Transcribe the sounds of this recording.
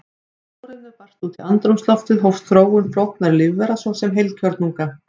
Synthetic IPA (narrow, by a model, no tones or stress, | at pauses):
awɾɪðɪɾpar̥t̪uːt̪ʰiant̪ɾumslɔft̪ɪðɦowfst̪θɾoːwɣʏnflowht̪naɾlɪvːɛɾasɔsɛmɦejlcʰœɾt̪nuŋka